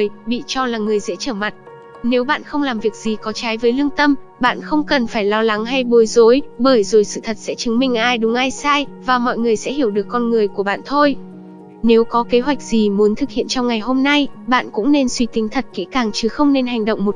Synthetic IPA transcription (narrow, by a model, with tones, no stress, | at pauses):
jɓḭ˧˨t͡ɕɔ˧laː˨˩ŋɨ˨˩əjzɛ̰˧˥t͡ɕəː˧˩ma˨˩t̚ | ne˨˦wɓa̰ː˧˨nxə˧wŋ͡mlaː˨˩mvi˨˩ək̚z̥i˨˩kɔ˨˦t͡ɕaː˨˦jvəː˨˦jlɨ˧əŋt̪ə˧mɓa̰ː˧˨nxə˧wŋ͡mkə˨˩nfaː˧˩jlɔ˧la˨˦ŋɦa˧jɓo˨˦jzo˨˦jɓəː˧˩jzo˨˩jsɨ̰˧˨t̪ʰə˨˩t̚sɛ̰˧˥t͡ɕɨ˨˦ŋmï˧ŋ̟ʔaː˧jɗʊ˨˦ŋ͡mʔaː˧jsaː˧jvaː˨˩mɔ̰˧˨jŋɨ˨˩əjsɛ̰˧˥ɦi˧˩əwɗɨ˨˩əkːɔ˧nŋɨ˨˩əjku˧˩əɓa̰ː˧˨nt̪ʰo˧j | ne˨˦wkɔ˨˦ke˨˦ɦwa˨˩jk̚zi˨˩mu˨˦ənt̪ʰɨ˨˩k̚hḭ˧˨ənt͡ɕɔ˧wŋ͡mŋa˨˩jɦo˧mna˧jɓa̰ː˧˨nkʊ̰˧˥ŋ͡mne˧nswi˧t̪ï˨˦ŋt̪ʰə˨˩t̚kḛ˨˦˥kaː˨˩ŋt͡ɕɨ˨˦xə˧wŋ͡mne˧nɦa˨˩jŋ̟ɗə̰˧˨wŋ͡mmo˨˩t̚